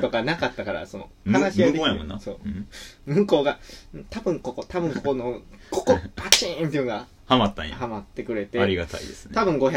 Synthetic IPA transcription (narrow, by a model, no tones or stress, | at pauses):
t̪o̞kanakat̪ːakaɾa̰so̞no̰hanaɕijad̪ẽjaõnːso̰ːmɯ̟̃ŋko̞ːɡãt̪abɯ̟̃ŋko̞ko̞t̪abɯ̟̃ŋkokonokʰokopat͡ɕĩnt̪eɯ̟̃ːŋɡa | hamat̪ːã̰a̰hamat̪ːe̞kɯ̟ɾe̞t̪e̞aɾʲiɡat̪a̰ḭd̪esɨ̥t̪abɯ̟̃ŋɡo̞ça